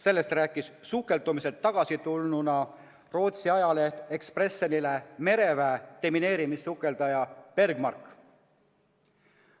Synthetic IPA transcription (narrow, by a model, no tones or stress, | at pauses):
se̞lːe̞st̪ræːkːˑissukːˑe̞lt̪umise̞t̪ːɑɡ̥ɑsit̪ulnunɑ | ro̞ːt̪siɑjɑle̞ht̪e̞kspre̞sːonile̞me̞ɾe̞væet̪e̞mine̞ːɾimisːukːˑe̞ld̪ɑjɑpe̞rɡ̥mɑ̰rkːˑ